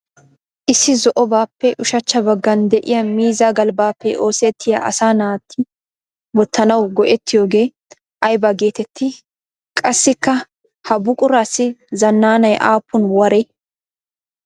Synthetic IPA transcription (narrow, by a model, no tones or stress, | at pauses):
ʔɪsːɪzɔʔɔbaːpːɛʔʊʃɐt͡ʃːɐbɐɡːɐnd̪ɛʔɪjɐmiːzaːɡɐlbaːpːɛʔo̞ːseːt̪ʰːɪjɐʔɐ̰saːnaːt̪ʰːɪ | bɔt̪ʰːɐnɐwɡɔʔɛt̪ːɪjo̞ːɡe̞ː | ʔɐjbɐɡe̞ːt̪ɛt̪ʰːɪ | kʼɐsːɪkːɐ | hɐbʊkʼʊɾaːsɪzɐnːaːnɐjʔaːpːʊnwɐɾeː